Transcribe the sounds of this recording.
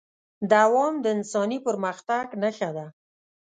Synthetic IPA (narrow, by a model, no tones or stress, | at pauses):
d̪awɑmd̪əɪnsɑnipəɾməxt̪aɡnəxad̪a